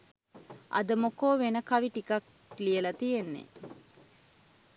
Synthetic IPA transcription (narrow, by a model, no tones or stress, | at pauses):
ʔɐ̰d̪əmokoːʋenəkɐʋiʈikɐk̚ | lijəlɐt̪ijenːḛ